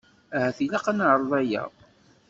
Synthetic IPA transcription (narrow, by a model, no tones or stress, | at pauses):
æhæθilæqanʕəɾˤðˤæjæ̰